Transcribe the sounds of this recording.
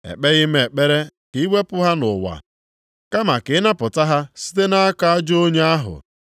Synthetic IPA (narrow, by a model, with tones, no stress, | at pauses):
ḛ˨k͡pe˦ɣɪ˦m˦e˨k͡pe˦ɾe˦ki˨˦we˦pʊ˦ɦa˦nʊ˨wa̰˨ | ka˦ma˨kɪ˨˦na˦pʊ˨ta˦ɦa˦si̥˦te˦na˦a˦ka˦a˦d͡ʒo˦ɲe˦a˦ɦʊ̰˨